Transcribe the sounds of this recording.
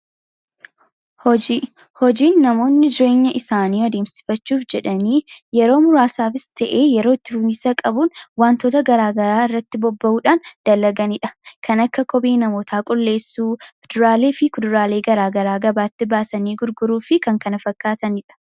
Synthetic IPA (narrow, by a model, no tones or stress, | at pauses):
hɔd͡ʒi | hɔd͡ʒiːnːɐmo̞ːnːɪd͡ʒɪɾe̞ːɲːɐʔɪsaːniːwɔd̪e̞ːmsɪ̥fɐt͡ʃːuːfd͡ʒɛᶑɐniːjɛɾo̞ːmʊɾaːsaːfɪst̪ɐʔeːjɛɾo̞ːɪt̪ːɪfʊmiːsɐkʼɐbunwaːnt̪o̞ːt̪ɐɡɐɾaːɡɐɾaːɪrːɐt̪ːɪbɔbːɐʔuːᶑaːnd̪̥ɐlːɐɡɐnɪᶑɐ̥kʰɐnɐkːɐkʰɔbeːnɐmoːt̪ʰaːkʼʊlːe̞ːsːuːfɪd̪̥ʊɾaːle̞ːfɪkʊd̪ʊɾaːle̞ːɡɐɾaːɡɐɾaːɡɐbaːt̪ːɪbaːsɐniːɡʊɾɡʊɾuːfɪkɐŋkɐnɐfɐkːaːt̪ɐnɪᶑɐ̥